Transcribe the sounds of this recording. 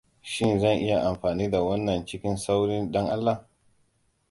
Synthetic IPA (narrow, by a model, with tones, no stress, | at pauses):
ʃɪ˦nzɐ˦˨ŋʔɪ˦ja˨ʔa˨mɸaː˨niː˦da˨wɐ˦nːɐ˨nt͡ʃɪ˦kʲɪ˦nsa˦wɽɪ˦nɗɐ˦ŋʔa˦lːa˨